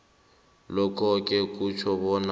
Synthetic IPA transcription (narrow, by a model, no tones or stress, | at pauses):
lɔkʰɔkʼɛkʼut͡ʃʰɔβɔna